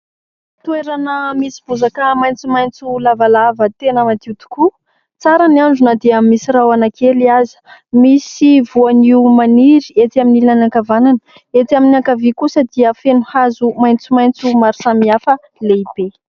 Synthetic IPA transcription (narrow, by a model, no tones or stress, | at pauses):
t̪ueɾanəmisi̥b̥uzakəmajnt͡sumajnt͡sulavalavət̪enəmat̪iut̪u̥ku | t͡saɾaniaɳɖ͡ʐunəd̪eammisiɾawanakeliazi̥misivuaniumaniɾiet̪aminilinanakavananə̥ | et̪aminiakavikusəd̪iəfenuhazumajnt͡sumajnt͡sumaɾsamiafə | leib̥e